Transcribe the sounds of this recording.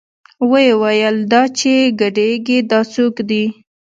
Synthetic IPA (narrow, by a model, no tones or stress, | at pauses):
wəjewajəld̪ɑt͡ʃeɡaɖeɡid̪ɑt͡sokd̪i